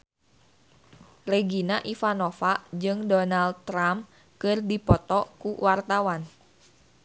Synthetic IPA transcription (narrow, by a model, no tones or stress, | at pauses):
reɡinaʔifanofaʔd͡ʒɨŋdɔnald̪̚t̪ːɾam | kɨrdipɔt̪ɔkuwart̪awan